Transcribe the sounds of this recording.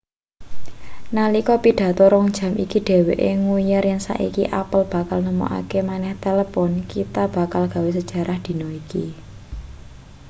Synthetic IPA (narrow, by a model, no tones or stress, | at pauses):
nalikɔpiɖ̪̥ä̤t̪ɔɾɔŋd̥ʒ̥ä̤mʔḭkiɖ̥e̤weʔeŋujarjansa̰ʔḭkḭʔapəlb̥a̤kalnəmo̰ʔa̰kemanɛht̪eləpɔnkit̪ab̥a̤kalɡ̥ä̤wes̬əd̥ʒ̥a̤ɾʔahd̪̥i̤nɔikḭ